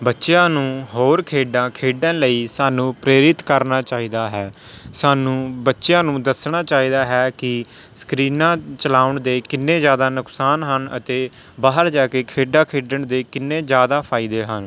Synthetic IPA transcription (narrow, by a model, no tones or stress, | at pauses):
bətːʃjãːnũːɦoːɾkʰeːɖãːkʰeːɖələiːsaːnũːpɾeːɾɪt̪kəɾnaːt͡ʃaːiːd̪aːɦɛː | saːnũːbətːʃjãːnũːd̪əsɳaːt͡ʃaːiːd̪aːɦɛːkɪ | skɾiːnãːt͡ʃəlaːʊɳd̪eːkɪnːẽːd͡ʒjaːd̪aːnʊksaːnɦənə̰t̪eː | baːɦəɾd͡ʒaːkeːkʰeːɖãːkʰeːɖəɳd̪eːkɪnːẽːd͡ʒjaːd̪aːpʰaːid̪eːɦən